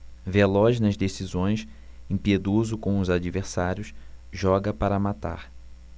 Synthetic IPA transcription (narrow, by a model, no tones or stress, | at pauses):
velɔʃnɐzd̪esizõj̃s | ẽpied̪ozʊkõw̃ʊzad͡ʒiveɾsaɾjʊsʒɔɡɐpaɾɐmat̪a̰ɾ